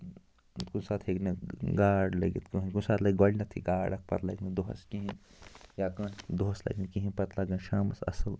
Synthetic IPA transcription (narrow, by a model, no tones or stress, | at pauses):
kunsaːt̪ʰheɡnɐɡaːɖlɐɡḭt̪kuɦkunsaːt̪lɐɡolʲnɐt̪ʰḭɡaːɽɐk̚ʰpɐ̰ɾlɐ̰ɡnɨd̪oɦɐ̰skĩɦijaːkɐ̃d̪oɦɐslɐ̰ɡnikiɦĩpɐt̪lɐɡɐnʃaːmɐsɐ̰səl